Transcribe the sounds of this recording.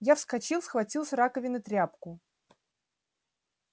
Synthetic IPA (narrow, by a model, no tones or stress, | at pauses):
jafskɐt͡ɕilˠsxvɐtʲilˠsʲɾakəvʲɪnət̪ɾʲapkʊ